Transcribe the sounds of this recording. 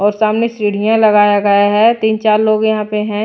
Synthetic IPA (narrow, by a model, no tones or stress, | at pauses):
ɔːɾsaːmnesɾiːɽ̤ijãlɐɡaːjaɡɐjaɦɛt̪iːnt͡ʃaːɾloːɡjɐɦãpeɦɛ̃ː